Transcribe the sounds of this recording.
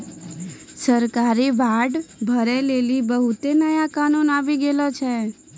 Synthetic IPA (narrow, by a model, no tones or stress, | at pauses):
səɾkaːɾibʱaːɖbʱəɾeleːlibəɦʊt̪enəjakaːnuːnaːʋiɡeːlot͡ʃʰɛ